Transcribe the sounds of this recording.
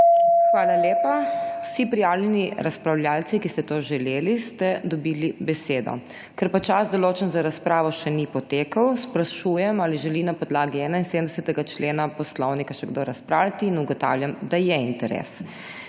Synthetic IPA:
xʋaːlaljeːpawsipɾijaːwlʲɛniɾaspɾawlʲjaːlt̪sikist̪ɛt̪oʒɛleːlist̪ɛd̪ɔbiːlibɛseːd̪ɔ̰ | kɛɾpat͡ʃazd̪ɔloːt͡ʃɛnzaɾaspɾaːʋɔʃɛnipɔt̪eːkəwspɾaʃujɛmaliʒɛlinapɔd̪laːɡiɛːnainsed̪əmd̪ɛsɛt̪ɛɡat͡ʃleːnapɔslɔwnikaʃɛɡd̪oɾaspɾaːwlʲjat̪iːnuɡɔt̪a̰ːwljamd̪ajɛint̪ɛɾɛ̰s

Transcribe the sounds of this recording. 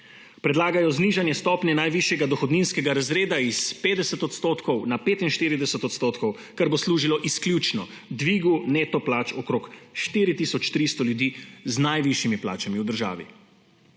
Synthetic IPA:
pɾɛd̪laːɡajɔzniʒanjɛst̪ɔpnʲɛnajʋiʃjɛɡad̪ɔxɔd̪ninskɛɡaɾazɾeːd̪aispeːd̪ɛsɛt̪ɔt̪st̪oːt̪kʰɔwnapeːt̪inʃt̪iːɾid̪ɛsɛt̪ɔt̪st̪oːt̪kɔw | kaɾbosluːʒilɔʔiskljut͡ʃnɔ | d̪ʋiːɡuneːt̪ɔplaːt͡ʃɔkɾoːkʃt̪iːɾit̪isɔt͡ʃt̪ɾist̪ɔljud̪iːznajʋiʃjimipla̰ːt͡ʃamiwd̪əɾʒa̰ːʋḭ

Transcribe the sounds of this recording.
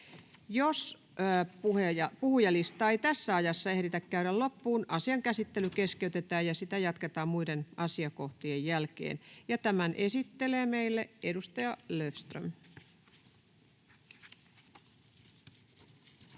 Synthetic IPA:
josː | pueɑpuhujɑlist̪ɑːeit̪æsːæɑjɑsːɑehɾit̪ækkæyɾællopːuːnʔɑsiɑŋkæsit̪ːelykeskeyt̪et̪æːjɑsit̪æjɑt̪ket̪ɑːmmuidenʔɑsiɑkoht̪iejjælkḛːnjɑt̪æmænʔesit̪ːeleːmeilːeedust̪ɑjɑløfst̪rø̰m

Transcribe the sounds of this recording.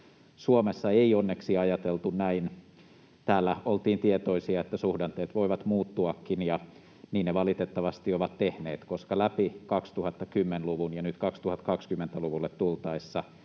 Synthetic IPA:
suomesːɑeionːeksiɑjɑt̪elt̪unnæin | t̪æːlːæolt̪iːnt̪iet̪oisiɑet̪ːæsuhdɑnt̪eːt̪ʋoiʋɑt̪muːt̪ːuɑkːinjɑ | niːnneʋɑlit̪et̪ːɑʋɑst̪ioʋɑt̪tehneːt̪koskɑlæpikɑkst̪uhɑt̪ːɑkymːenluʋunjɑnyt̪kɑkst̪uhɑt̪ːkɑkskymːent̪æluʋulːet̪t̪ult̪ɑisːɑ

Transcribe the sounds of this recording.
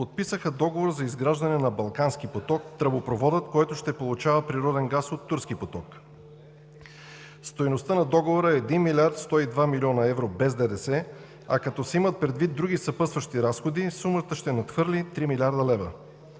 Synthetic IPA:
pot̪̚pisəxəd̪ɔɡovoɾzɐizɡɾaʒd̪ɐnɛnɐbɐlˠkansk̟ipot̪ɔk̚t̪ɾɐbopɾovɔd̪ət̪kɔjt̪ʊʃt̪ɛpolˠʊt͡ʃavəpɾiɾɔd̪ɛnɡasot̪ːuɾskipot̪ɔk | st̪ojnost̪ənɐd̪ɔɡovoɾəɛd̪inmilʲaɾt̪st̪ɔid̪vamilʲiɔnɐɛvɾobɛzd̪ɛd̪ɛsɛ | ɐ̰kɐt̪ɔsɛimət̪̚pɾɛd̪vid̪ɾuɡisɐpɤst̪vəʃt̪iɾasxod̪isumət̪əʃt̪ɛnɐt̪xfɤɾlit̪ɾimilʲiaɾd̪əlɛvə̰

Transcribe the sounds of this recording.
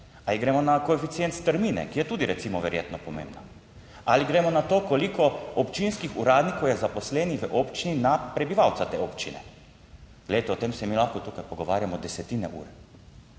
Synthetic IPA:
aliɡɾɛmɔnakɔefit̪sjent̪st̪əɾmiːnɛ̰kijɛt̪uːd̪iɾɛt̪siːmɔʋɛɾjḛːt̪nɔpɔmḛ̃ːmbna | aliɡɾɛmɔnat̪oːkɔlikɔɔpt͡ʃinskixuɾaːd̪nikowjɛzapɔslɛːniʋəʔopt͡ʃininapɾɛbiʋawt̪sat̪eːoːpt͡ʃḭnɛ̰ | ɡ̥lɛd̪et̪ɛɔt̪emsɛmilaxkɔt̪okat̪pɔɡɔʋaːɾjamɔd̪ɛsɛt̪iːnɛʔṵːɾ

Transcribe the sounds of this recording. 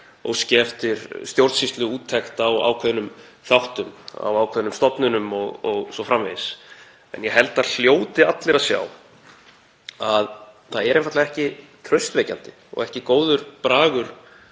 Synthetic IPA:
ɔ̰ɣscɛft̪ɪɾst̪jowɾt̪sist̪lʏuːt̪ʰːɛxt̪awa̰ːwkʰvɛðnʏm | θawht̪ʏma̰wawkʰvɛðnʏmst̪ɔpnʏnʏmɔɣɔɣsɔfɾamvɪðɪs | ɛ̰njɛɦɛlt̪aðl̥joːwt̪ɪat̪lɪɾaðsja̰ːw | aðθaðɛɾẽjnfaɾt̪laðɛhcɪt̪ʰɾœɥst̪vɛːjca̰nt̪ɪ | ɔ̰ɣɛhcɪkoːwðʏɾ̥pɾaːɣʏɾ̥

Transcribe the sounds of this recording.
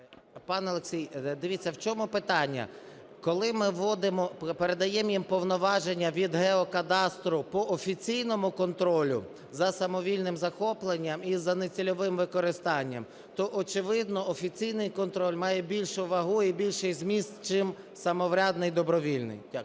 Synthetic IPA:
pɑnɔlˠeksʲijd̪ɪʋʲitt͡sʲːɐwt͡ʃɔmʊpɪt̪ɑnʲːɐ̰ | kɔlˠɪmɪʋɔd̪ɪmɔpeɾe̞d̪ɐjɛmjimpɔwnɔʋɑʒenʲːɐʋʲid̪ɦɛɔkɐd̪ɑst̪ɾʊpɔʔɔfʲit͡sʲijnɔmʊkɔnt̪ɾɔlʲʊ̰ | zɐsɐmɔʋʲilʲnɪmzɐxɔplˠenʲːɐmizɐnet͡sʲilʲɔʋɪmʋɪkɔɾɪst̪ɑnʲːɐ̰m | t̪ɔʔɔt͡ʃɪʋɪd̪nɔɔfʲit͡sʲijnɪjkɔnt̪ɾɔlʲmɑjɛbʲilʲʃʊʋɐɦuibʲilʲʃɪjzʲmʲist̪t͡ʃɪm | sɐmɔʋɾʲad̪nɪjd̪ɔbɾɔʋʲilʲnɪ̰jtʲak

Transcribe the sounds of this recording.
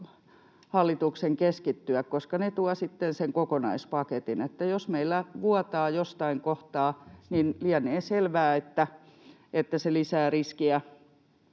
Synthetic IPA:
hɑlːit̪ukseŋkeskit̪ːyækkoskɑnet̪uɑsit̪ːenseŋkokonɑispɑket̪inet̪ːæjosmeilːæʋuɑt̪ɑːjost̪ɑiŋkoht̪ɑːninliɑneːselʋæːet̪ːæ | et̪ːæselisæːriskiæ

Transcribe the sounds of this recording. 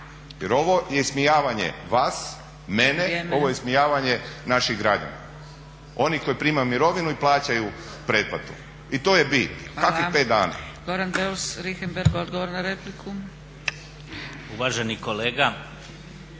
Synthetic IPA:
jeɾo̞ʋo̞jesmijaːʋaɲḛʋaːs | meneo̞ʋojesmijaːʋaɲe̞naʃiɣɡɾad͡ʑa̰na̰ | o̞niko̞jipɾiːmajumiɾo̞ʋinuiplˠaːt͡ɕaju | pɾeːpat̪u | it̪oːjebiːt̪nkakipeːd̪a̰ːna̰ɡ̥oɾanbeusɾixembeɾɡod̪ɡoʋoɾnaɾeplikʰu | uʋaʒe̞niko̞leːɡa

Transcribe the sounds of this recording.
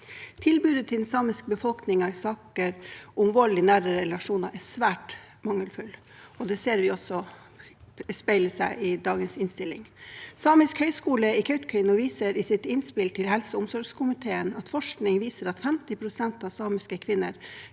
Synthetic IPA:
t̪ʰɪlbʉːd̪ət̪ʰɪlnsɑːmɪsk̚bəfɔlknɪŋɑsɑːkəɾʊmʋoːlɪnæːɾəɾɛlɑʂuːnɑʔɛsʋæːʈ | mɑŋːəlfʉl | ɔd̪ɛseːɾʋɪɔsɔ | spæɪləsæɪʔɪd̪ɑːɡənsɪnst̪ɪlɪ̰ŋsɑːmɪskhœʏskuːləɪkʰœʏt̪kʰœʏnɔʋiːsəɾɪsɪt̪ɪnspɪlt̪ʰɪlhɛlsəʊmsɔɾɡskʰʊmɪt̪ʰeːənɑt̪fɔʂknɪŋʋiːsəɾɑt̪fɛmt̪ɪpʰɾʊsɛnt̪ɑʋsɑːmɪskəkʰʋɪnːəɾ

